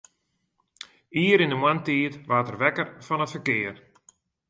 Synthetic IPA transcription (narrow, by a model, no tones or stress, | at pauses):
iːəɾɪndəmwantiːtʋaːtərʋɛkərfɔnətfərkɪər